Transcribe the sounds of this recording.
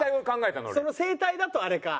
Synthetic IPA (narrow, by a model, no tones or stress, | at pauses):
aiokãŋɡae̞t̪a̰no̰so̞nose̞ːt̪aid̪at̪o̞aɾe̞ka̰